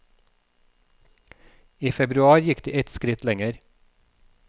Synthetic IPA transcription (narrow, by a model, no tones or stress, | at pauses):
iːfɛbɾʉɑːɾjɪkd̪̥iːʔɛt̪skɾɪt̪lɛŋəɾ